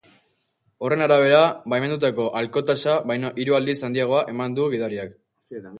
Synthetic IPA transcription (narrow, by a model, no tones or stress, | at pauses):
o̞re̞naɾaβ̞e̞ɾabajme̞nd̪ut̪ako̞ʔalko̞t̪asaβajnaʔiɾuald̪isand̪iaɣ̞o̞aʔe̞mand̪uɣ̞iðaɾiak